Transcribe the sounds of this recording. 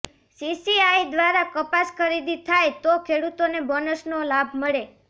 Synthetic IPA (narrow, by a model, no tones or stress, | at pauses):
sisiajd̪ʋaɾakəpaskʰəɾid̪it̪ʰajt̪okʰeɽut̪onebənəsnolabʱməɭe